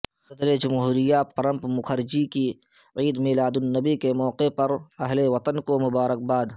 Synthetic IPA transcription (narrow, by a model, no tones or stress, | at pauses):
sɐd̪ɾed͡ʒɐmɦuːɾɪjapɐɾə̃mpmʊxəɾɪd͡ʒiki | ʕiːd̪miːlaːd̪ʊnːɐbikemɔːqepɐɾɐɦleʋɐt̪ənkomʊbaːɾək̚baːd̪